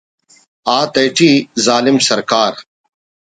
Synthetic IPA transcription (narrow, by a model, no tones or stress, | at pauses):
aːt̪ɐjʈʰiːzaːlɪmsɐɾkaːɾ